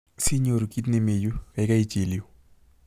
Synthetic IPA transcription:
si˦ɲoɾki˦tne˨me˨ju˦ɛ˨ka˦it͡ʃe˨ljo˨

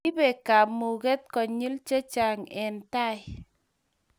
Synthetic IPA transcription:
i˦bɛ˨ka˨pmu˨ɡɛ˦t̚kɔ˨ɲi˦lt͡ʃe˦t͡ʃa˨ŋɛ˨nta˦˨j

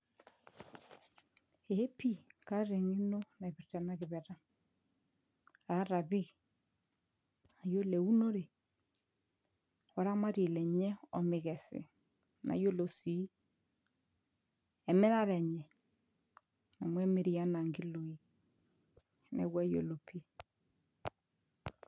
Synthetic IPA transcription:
e˨e˦pi˦ka˦ɾe˨ŋi˦no˦na˨βi˨tɛ˨na˦ɣɪ˨βɛ˨ɾa˦ | a˨˦ɾa˨βi˦ | a˨jo˦lɛ˨u˦no˦ɾe˨ | wa˨ɾa˦ma˦ɾi˨lɛ˨ɲɛ˦ɔ˨me˨ɣɛ˨sḛ˨ | na̰˨˦jo˦lo˨si˨˦ | ɛ˨mɛ˦ɾa˦ɾɛ˨ɲɛ˨ | na˨mwɛ˦me˦ɾi˨a˦na˨ŋɡi˦lo˨i˦ | nɛ̰˨ɣwa˦jo̰˨lo˨pʰi˦

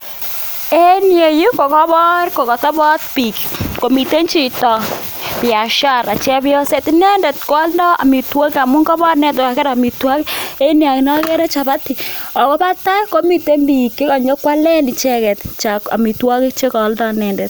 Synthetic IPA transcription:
e˦nje˨ju˦ko˨kɔ˦bɔ˦ɾko˨kɔ˨tɔ˦bɔ˦t̚pi˨kko˨mi˨te˦ɲt͡ʃi˨tɔ˨ | pɪ˨a˨ʃa˦˨ɾa˨t͡ʃɛ˦bɔ˦se˦tɪ˦nɛ˦ndɛ˨tkɔ˨˦ldɔ˦a̰˨mi˨twɔ˦ka˨mʊ˦ŋkɔ˦bɔ˦nɛ˦˨tɔ˨ka˨kɛ˦ɾɔ˨mi˨twɔ˦ke˦nja˨knɔ˦kɛ˦ɾɛ˦t͡ʃa˨ba˦ti˨ɔ˨kɔ˦pa˦ta˦ko˨˦mi˨te˦mbi˨kːe˦kɔ˨ɲo˦kwa˦lɛ˦nɪ˨t͡ʃɛ˦kɛ˨tt͡ʃa˨ka̰˨mi˨twɔ˦kɪ˦t͡ʃe˦kɔ˨ldɔ˦˨nɛ˦˨ndɛ˨t

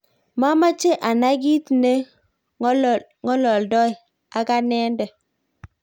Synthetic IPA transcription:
ma˦ma˦t͡ʃe˦ʔa˨na˦ɡi˦tne˦ | ŋɔ˦lɔ˨ldɔ˦j | a˨ɡa˦nɛ˦ndɛ˨

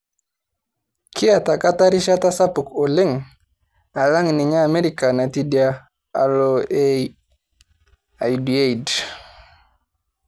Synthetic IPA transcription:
kʰi˦a˨ta˨ka˦ta˦ɾi˦ʃa˦ta˦sa˦pu˨ko˨le˦ŋ | a˨la˦ŋni˨ɲaː˦˨me˦ɾi˦ka˨na˨ti˦dja˦ | a̰˨lo˨e | a˨jdi˨e˦i˨d

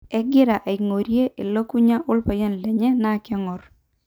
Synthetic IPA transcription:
ɛ˦ɡɪ˦ɾa˨ʔa˨i˨ŋo˨ɾje˦ʔe˨lo˦ku˦ɲa˦ʔʊ˦lpa˨jɔ˦nlɛ˨ɲɛ˦na˦˨kɛ˦ŋɔ˨r

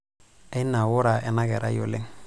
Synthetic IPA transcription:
e˦na˨wʊ˦ɾa˨ʔɛ˨na˦ɡɛ˨ɾa̰˦jo̰˨lḛ˦ŋ

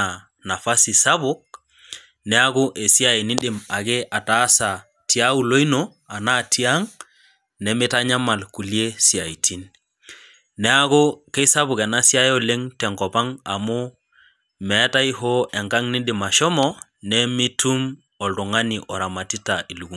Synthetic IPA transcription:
a˨ | na˨fa˦si˨sa˦bu˦k̚ | nɛ˦a˦ɡu˦ʔe˨si˦a˦i˨ni˦ɗi˨ma˨ɡe˦ʔa˨ta˦sa˨ | ti˦a˦u˦lo˦i˦no˦ | a˨na˦tʰi˦a˦ŋ | nɛ˨mi˦ta˦ɲa˦ma˨lku˨li˦e˦si˨a˨i˨tʰi˦n | ɛ˦a˦ɡu˦ke˦sa˦βu˨ke˨na˦si˦a˦jo˦le˦ŋtɛ˨ŋkɔ˨pa˦ŋa̰˨mu˦ | mɛ˨˦ta˦i˦ɦo˦ʔe˨ŋɡa˦ŋni˦ɗi˨ma˨ʃɔ˦mɔ˦ | nɛ˦mi˦tu˦m | o˨ldu˨ŋa˦ni˨ʔɔ˨ɾa˨ma˨ti˦ta˨ʔi˨lu˨ɡu˦

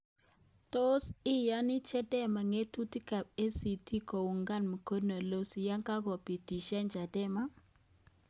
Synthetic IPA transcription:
to˦sɪ˦ja˦nɪ˦t͡ʃɛ˦dɛ˦ma˨ŋe˦tu˦ti˦ka˨b̚e˦si˨ti˦ko˨wu˨ŋɡa˦nmu˨ko˦dna˨lo˦si˨ja˦ŋka˦ɡɔ˨pi˨ti˨ʃa˦nd͡ʒa˨dɛ˦ma˦

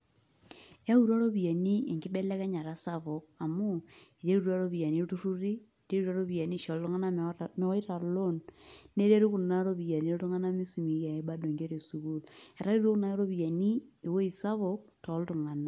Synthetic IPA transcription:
a˦u˨ɾa˦ɾo˦βi˨a˨ni˦e˨ŋkɪ˦be˦lɛ˦kɛ˦ɲa˨ɾa˨˦sa˦βo˨k̚a˨mu˦e˨ɾe˦ɾu˨ɾa˦ɾo˦βi˨ja˨ni˦o˦tu˦ɾu˦ɾiː˦˨ɾe˦ɾu˦ɾa˦ɾo˦βi˨a˨ni˦ʃo˨ltu˦ŋa˦na˦me˦ɔ˦i˦ta˨lo˦nne˦ɾe˦ɾo˦ku˨na˦ɾo˦βi˨ja˨ni˦ɾo˦tu˦ŋa˦na˦mi˦su˨mi˨ja˨e˨˦ba˦do˨ŋɡe˦ɾe˨su˨βu˦lɛ˨ɾa˦ɾi˦ɾo˦kna˦ɾo˦βi˨a˨ni˦e˨wo˦i˨sa˦βo˨k̚tɔ˨˦ltu˨ŋa˨na˨

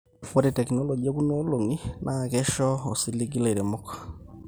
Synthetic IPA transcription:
fɔ˦ɾɛtɛ˨knɔ˦lɔ˨ɡi˨a˦ku˦no˦lo˨ŋi˦nʔa˨kɛ˦ʃɔ˦ɔ˨si˦li˦ɡi˦le˨ɾɛ˨mɔ˦kḁ˨

